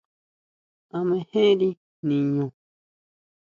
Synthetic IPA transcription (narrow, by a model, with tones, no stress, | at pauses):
a˨mɛ̃˨hẽ˦ɾi˦ | nĩ˨ɲõ˨